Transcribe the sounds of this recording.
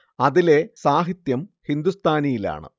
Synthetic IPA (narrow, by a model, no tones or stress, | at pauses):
ɐðile̞saːɦit̪jɐmhind̪ust̪ʰaːnijila̰ːɳɨ̰